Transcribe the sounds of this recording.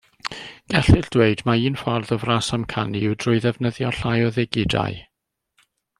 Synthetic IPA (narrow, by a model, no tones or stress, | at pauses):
ɡ̥ɛɬɨɬd̥weɨdmaiːnfɔrðɔvrasamkʰaniɪwdrʊɨðɛvnəðjɔɬajɔðɛɡɪda̰j